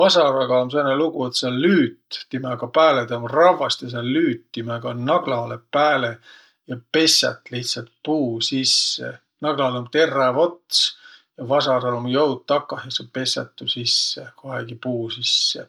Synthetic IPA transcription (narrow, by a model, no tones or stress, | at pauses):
vɑsɑɾɑɡ̥ɑomseneluɡ̥uet̪selyːt̪ːimeɡ̥ɑpæːled̪̥eomrɑvɑst̪jɑs̬elyːt̪ːimeɡ̥ɑnɑɡ̥lɑlepæːle | jɑpe̞sʲɑ̰t̪ːˑliht̪sɑlt̪̚puːsisːḛ | nɑɡ̥lɑleomt̪e̞rːɑvot̪sjɑvɑsɑɾɑlomjɤwd̪̥̚t̪ːɑkːɑhjɑsepe̞sɑ̰t̪ːusisːekoɦeɡ̥ipuːsisːḛ